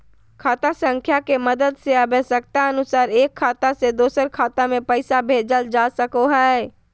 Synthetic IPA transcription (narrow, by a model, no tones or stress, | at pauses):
kʰaːt̪asə̃ŋkʰjakeməd̪əd̪seəbesək̚t̪aənʊsaːɾeːkʰːaːt̪ased̪oːsəɾkʰaːt̪amẽpəɪsabʱeːd͡ʒəld͡ʒaːsəkoɦɛ